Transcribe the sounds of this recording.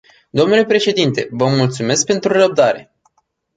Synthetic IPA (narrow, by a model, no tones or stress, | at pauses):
d̪o̞mnule̞pɾe̞ʃe̞d̪int̪e̞vəmult̪sume̞sk̚pe̞nt̪ɾurəb̚d̪aɾe̞